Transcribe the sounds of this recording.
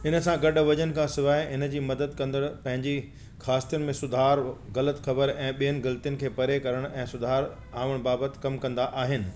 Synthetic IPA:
ɪnə̆sãɡɐɗʋɐd͡ʑənɪ̆kʰãsɪʋaːɪɪnə̆d͡ʑiːmɐd̪əd̪̚kɐ̃nd̪əɽ̃pɐ̃ɦɪ̃ɲd͡ʑi | xaːst̪ijʊnɪmẽsʊd̪ʱaːɾɣɐlət̪xɐbəɾɛ̃ːɓijənɪ̆ɡɐlt̪ijʊnɪ̆kʰeːpɐɾekɐɾəɽ̃ɛ̃ːsʊd̪ʱaːɾ | aːʋəɽ̃baːbət̪̆kɐmkɐ̃nd̪aʔaːɦɪnɪ̆

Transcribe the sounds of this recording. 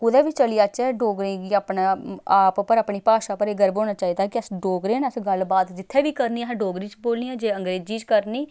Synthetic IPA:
kʊd̪ɛːʋiːt͡ʃəlijaːt͡ʃɛːɖoːɡɾẽːɡiːaːpnaaːppəɾaːpɳiːpaːʃaːpəɾeːɡəɾboːnaːt͡ʃaːiːd̪aːkɪəsɖoːɡɾeːnəsɡəlbaːt̪d͡ʒɪt̪ʰːeːʋiːkəɾniːãɖoːɡɾiːt͡ʃboːlniːɛ̃ːd͡ʒeːəŋɡɾeːd͡ʒiːt͡ʃkəɾniː

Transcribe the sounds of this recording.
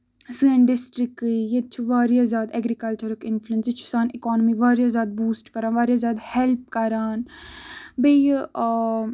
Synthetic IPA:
sẽɳɖɪsʈɾɪkːɨjet̪t͡ʃʰuʋaːɾijaːzjaːd̪ɛɡɾikɐlt͡ʃəɾkɪnfluənsjit͡ʃʰu̥saːnikɔːnəmiʋaːɾijazjaːd̪̚buːsʈkɐɾaːnʋaːɾjaːzʲjaːd̪hɛlp̚kɐɾaːn | bej

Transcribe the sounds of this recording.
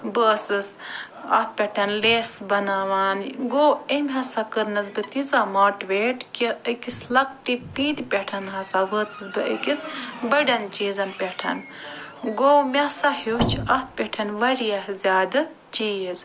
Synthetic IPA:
bəːsɨs | ɐ̰t̪̚pʲeʈʰɐnleːsbɐnaːʋaːnɡoːemʲɦɐsakɨɾnɐzbɨt̪izamaːʈʋeːʈkiəkislɐk̚ʈipiːd̪pʲeʈʰɐnɦɐsaʋəːt͡sɨsbɨə̰kisbɐɖɐnt͡ʃiːzɐnpʲeʈʰɐ̰n | ɡoːmʲasahut͡ʃʰɐt̪̚ʰpʲeʈʰɐnʋɐɾijaɦzʲaːd̪ɨ | t͡ʃiːjiz

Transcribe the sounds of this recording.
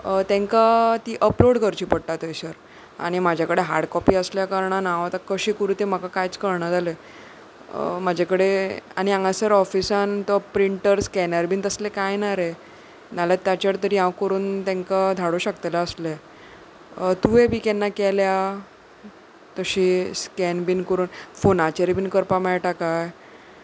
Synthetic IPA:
ət̪ɛ̃ŋkat̪iːʔəploɽkəɾt͡ɕiːpəɽʈ̪at̪əjsəɾ | a̰ɽ̃imad͡ʑʱjakəɽeɦa̰ɾɖkɔpiːəsljakaɾɳanãʋat̪akəɕiːkuɾuːt̪em̤əkakajt͡skəɾɳad͡zale | mad͡ʑʱakəɽea̰ɽ̃iãŋɡasəɾɔfisant̪ɔpɾiɳʈəɾskɛnaɾbiːnt̪əslekajnaɾe | nalat̪jat͡ɕəɾt̪əɾiɦãʋkəɾuːnt̪ɛ̃ŋkad̪ʱaɽoɕəkt̪alaəsle | t̪uebʱiːkɛnːakɛlja | t̪əɕiːskɛnbinkəɾuːnfonat͡ɕeɾibiːnkəɾpamɛɭʈakaj

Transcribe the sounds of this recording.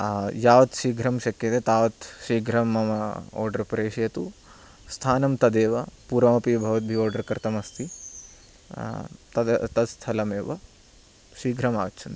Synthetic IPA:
jaːʋɐt̪ʃiːɡɾɐmʃɐkjɐt̪et̪aːʋɐt̪ʃiːɡɾɐmːɐmɐɔ̰ːɾɖɐɾpɾeːʂjɐt̪u | st̪ʰaːnɐmt̪ɐd̪eːʋɐpuːɾʋɐmɐpibʱɐʋɐt̪̚bʱioːɾɖɐɾkɾt̪ɐmɐst̪ʰi | t̪ɐd̪t̪ɐt̪st̪ʰɐlɐmeːʋɐ̰ | ʃiːɡʱɾɐma̰ːt͡ʃʰɐnt̪i̥

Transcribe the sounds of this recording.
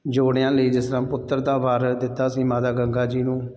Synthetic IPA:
d͡ʒoːɽejãːləiːd͡ʒɪst̪ɾãːpʊt̪ːəɾd̪aːʋaːɾd̪ɪt̪ːaːsĩːmaːd̪aːɡəŋɡaːd͡ʒiːnũː

